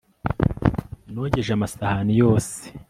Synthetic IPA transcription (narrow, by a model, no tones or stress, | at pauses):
noɟe̞ʒamasahanijo̞ːse̥